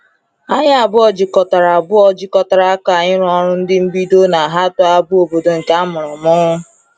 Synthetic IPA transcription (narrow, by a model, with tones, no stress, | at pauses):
a˦ɲa˦a˨bʊ˦ɔ˨d͡ʒɪ˨kɔ˨ta˨ɾa˨bʊ˦ɔ˦d͡ʒɪ˦kɔ˨ta˨ɾa˨a˦ka˨ɲɪ˦ɾʊ˦ɔ˦ɾʊ˦n̩˦dɪ˦m̩˦bi˦do˦na˨ɦa˦tɔ˦a˦bʊ˦o˨bo˨do˨ŋ̩˨ka˦mʊ˨ɾɔ˨mʊ˦ŋʊ˦